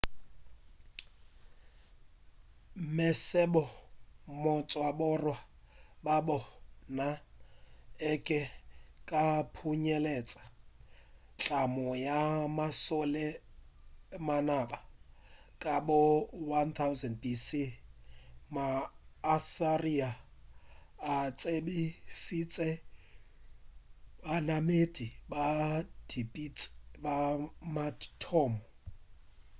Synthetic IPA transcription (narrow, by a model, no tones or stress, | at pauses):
mɛsɛbɔmɔt͡sʼɔaɓɔrwa | babɔna | ɛkʼɛkʼapʰuɲɛlɛt͡sʼḁ | t͡ɬʼamɔjamasɔlɛ | manaɓa | kʼabɔwant̪ʰawzɛndbisi | maː | saria | t͡sʼebisit͡sʼɛ | banamed̥ʱibad̥ipʼit͡sʼbamatʰɔːmɔ